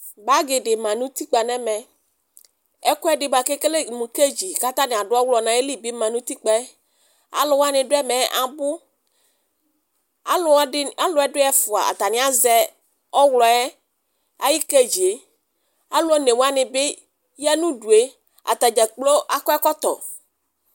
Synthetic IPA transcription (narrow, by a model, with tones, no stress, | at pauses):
ba˦ɡɪ˨ɖɪ˨mã˨nũ˦t̪i˦k͡pa˨nɛ̃˦mɛ̃˨ | ɛ˦kɔ˦ɛ˦ɖɪ˨ba˨ke˦ke˦le˦mũ˨ke˦d͡ʑi˨ka˦t̪ã˦nɪ̃˨a˨ɖʊ˦ɔ˦wlɔ˨nã˨e˦li˦bi˦mã˨nũ˦t̪i˦k͡pɛ˦ | a̰˨lʊ˨wa˦nɪ̃˨ɖʊ˦ɛ˦mɛ̃˨ʔa˨bʊ˦ | a˨lʊ˨˦a˦lʊ˨˦ɛ˦dʊ˦ɛ˦fʊ˨a̰˨a̰˨t̪a˨nɪ̃˦a˦zɛ˦ | ɔ˦wlɔ˨ɛ˦ | a̰˦ji˦ke˦d͡ʒi˨e˨ | a˦lʊ˦ɔ˦ne˨wa˦nɪ̃˨be˦ | ja˦nũ˦ɖu˨e˦ | a̰˨t̪a˨d͡ʒɛ˨k͡plo˦ʔa˨kɔ˦ɛ˦kɔ˦t̪ɔ̰˨